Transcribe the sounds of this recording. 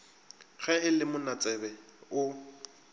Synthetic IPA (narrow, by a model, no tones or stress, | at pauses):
ɣɛɪlɪmʊnat͡sʼɛbɛʊ